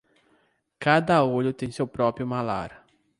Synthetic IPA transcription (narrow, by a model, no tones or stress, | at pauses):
kad̪ɐoʎʊt̪ẽj̃sewpɾɔpɾjʊmala̰ɾ